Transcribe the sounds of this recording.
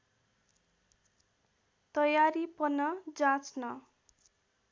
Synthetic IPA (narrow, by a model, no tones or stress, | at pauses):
t̪ʌjaɾipʌnʌd͡zãt͡snʌ